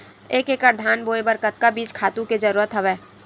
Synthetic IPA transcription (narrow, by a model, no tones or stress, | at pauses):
eːkeːkəɾd̪ʱaːnboːebəɾkət̪̚kabiːt͡ʃkʰaːt̪ũked͡ʒəɾuːɾət̪ɦəʋeː